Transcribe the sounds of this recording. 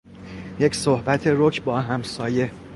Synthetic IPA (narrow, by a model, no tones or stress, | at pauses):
je̞csohbæt̪ʰe̞ɾocʰbɒːɦæmsɒːje̞